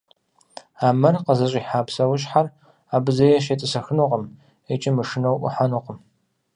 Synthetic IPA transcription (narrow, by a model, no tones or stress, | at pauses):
aːmɐrqəzɐɕʼiːħaːpsɐwʊɕħar | aːbɨzɐjɛʃ̬etʼɨsɐxɨnuqəm | et͡ʃʼɪmɨʂɨnɐwʔʷʊ̰ħanuqəm